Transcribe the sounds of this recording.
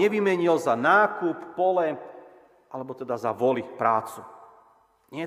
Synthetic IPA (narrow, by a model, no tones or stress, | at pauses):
ɛʋimɛɲilzanaːkupːɔlɛ | ʔalɛbɔt̪ɛd̪azaʋɔlipɾaːt͡su | ɲɪɛ